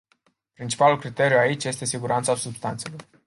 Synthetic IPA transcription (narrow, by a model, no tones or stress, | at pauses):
pɾint͡ʃi̥palulkɾit̪e̞ɾjuait͡ʃje̞st̪e̞siɡuɾant̪sasubst̪ant̪se̞lo̞r